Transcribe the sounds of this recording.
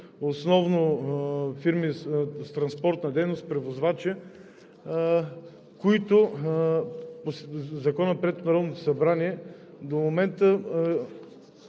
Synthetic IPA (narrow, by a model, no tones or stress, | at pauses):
osnɔvno | fiɾmist̪ɾɐnspɔɾt̪nɐd̪ɛjnost̪pɾɛvozvat͡ʃɛ | koit̪ʊ | poszɐkɔnəpɾɛt̪ːonɐɾɔd̪not̪o̥sɐbɾaniɛ | d̪omomɛnt̪ə